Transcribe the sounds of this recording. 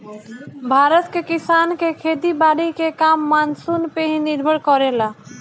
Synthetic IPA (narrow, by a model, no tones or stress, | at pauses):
bʱaɾət̪kekisankekʰed̪ibaɽikekamːansunpeɦĩniɾbʱəɽkɔɾela